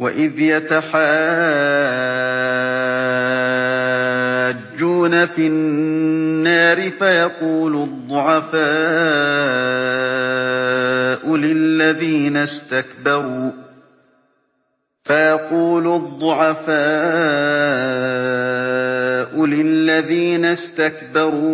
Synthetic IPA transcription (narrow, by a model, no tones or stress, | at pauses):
wa̰ʔɪðjat̪aħaː | d͡ʒːuːnafi | nːaːɾɪfajɑquːlʊd̪ˤːʊʕɑfaː | ʔʊlɪlːaðiːnast̪akbɑɾuː | fajɑquːlʊd̪ˤːʊʕɑfaː | ʔʊlɪlːaðiːnast̪akbɑɾˤuː